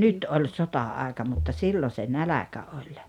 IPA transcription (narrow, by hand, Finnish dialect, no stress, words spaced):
nyt olʲ sotɑɑˑekɑ mutːɑ silːo se nælækæ olʲ